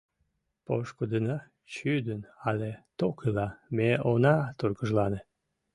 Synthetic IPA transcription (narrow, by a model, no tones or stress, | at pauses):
poʃkud̪ənɑ | t͡ɕyd̪ənɑlet̪okʰilɑmeonɑt̪urɡəʒlɑne